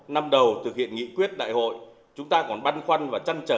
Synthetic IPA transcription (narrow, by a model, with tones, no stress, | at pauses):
na˧mɗə˨˩wt̪ʰɨ˨˩k̚hḭ˧˨ənŋḭ˧˨kwi˦˥ət̚ɗa̰ː˧˨jho̰˧˨j | t͡ɕʊ˨˦ŋ͡mt̪aː˧kɔ˨˩nɓa˧nxwa˧nvaː˨˩t͡ɕa˧nt͡ɕəː˨˧˩